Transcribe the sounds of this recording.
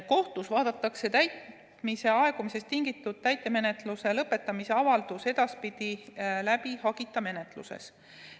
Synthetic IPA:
ko̞ht̪usvɑːd̪ɑt̪ːˑɑkse̞t̪æjt̪ | mise̞ɑe̞ɡ̥umise̞st̪ːiŋɡ̥it̪ːˑud̪̥̚t̪æjt̪ˑːe̞me̞ne̞t̪luse̞lɤpːˑe̞t̪ːˑɑmise̞ɑvɑld̪̥use̞d̪̥ɑspid̪̥ilæbihɑɡ̥it̪ːˑɑme̞net̪ˑlṵsḛs

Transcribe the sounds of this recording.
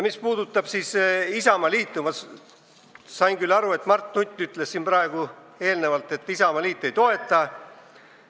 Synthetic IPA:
mispuːd̪ut̪ːˑɑb̥siːsisɑmɑliːt̪ːˑumɑs | sɑjŋkylːɑɾue̞t̪ːˑmɑrt̪ˑːnut̪ʲːˑyt̪ˑle̞ssːiːnpɾɑeɡ̥u | e̞ːlne̞vɑlt̪ːˑe̞t̪ːˑisɑmɑliːt̪ːˑe̞jt̪o̞e̞t̪ˑːɑ

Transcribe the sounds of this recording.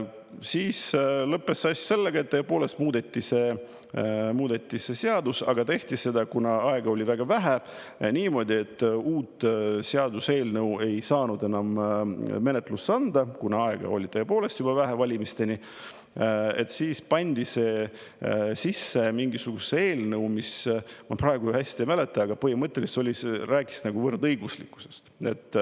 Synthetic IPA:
siːslɤpːe̞sːɑsʲse̞lːeɡ̥ɑe̞t̪ːeːepo̞ːle̞st̪muːd̪e̞t̪ːise̞ | muːd̪̥et̪ːise̞seɑd̪usɑ̰ɡ̥ɑt̪e̞ht̪isːe̞d̪̥ɑkunɑɑeɡ̥ɑo̞lʲivæɡ̥ɑvæɦæ | niːmo̞ːd̪ʲie̞t̪ːuːt̪ːseɑd̪use̞ːlnɤwe̞jsɑːnud̪e̞nɑmme̞net̪ːˑlusːɑnd̪̥ɑkunɑɑeɡ̥ɑ̰o̞̰lʲit̪eːepo̞ːle̞st̪jubɑvæɦævɑlʲimist̪e̞ni | et̪siːspɑnʲd̪̥ise̞ | sisːe̞miŋɡisuɡ̥usːeeːlnɤwmismɑprɑeɡujhæsʲt̪imæle̞t̪ːˑɑɑɡ̥ɑpɤhimɤt̪ːˑe̞liso̞lʲiseræːkːˑi̥snɑɡuvɤrd̪ɤjɡ̥uslḭkːˑu̥se̞̥st̪e̞̰t̪ːˑ

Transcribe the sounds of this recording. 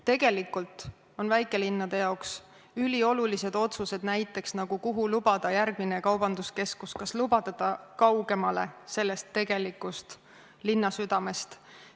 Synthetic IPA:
t̪e̞ɡ̥e̞likːult̪ˑ | o̞nvæjkːˑe̞linːɑd̪̥e̞jɑoks | ylʲio̞lulise̞d̪̥o̞t̪suse̞d̪̥næjt̪ːˑe̞ksnɑɡ̥ukuɦulub̥ɑd̪̥ɑjærɡ̥mine̞kɑwbɑnd̪̥uske̞skuskɑslubɑt̪ɑt̪ɑkɑwɡ̥e̞mɑle̞se̞lːe̞st̪ːe̞ɡ̥e̞likːust̪ | linːɑsyd̪̥ɑme̞st̪

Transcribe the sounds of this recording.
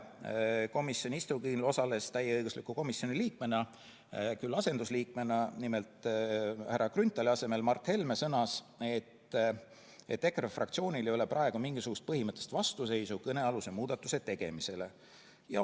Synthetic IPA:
ko̞misːjo̞nʲist̪ukinlo̞sɑle̞st̪æjːeɤjɡ̥uslikːˑuko̞misjo̞niliːk̚me̞nɑ | kylːɑse̞nd̪̥usliːk̚me̞nɑnime̞lt̪ˑhæɾːɑkrynt̪ːˑɑliɑse̞me̞lmɑrt̪ːhe̞lme̞sɤnɑs | e̞t̪ː | e̞̰t̪ːe̞krefrɑ̰kt̪sio̞ːnʲilejo̞le̞prɑe̞ɡ̥umiŋɡ̥isuɡ̥ust̪̚pɤhimɤt̪ˑːest̪vɑst̪use̞jsukɤne̞ɑlusemuːd̪̥ɑt̪ːˑu̥se̞t̪e̞ɡ̥e̞̰mise̞le̞ | jɑ

